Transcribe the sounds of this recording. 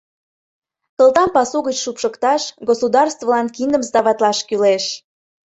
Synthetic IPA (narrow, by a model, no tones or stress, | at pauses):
t̪ə̆lˠt̪ɑmpɑsuɣət͡ɕʃupʃəkt̪ɑʃɡosud̪ɑrst̪volɑnkind̪əmsd̪ɑβɑt̪lɑʃkyleʃ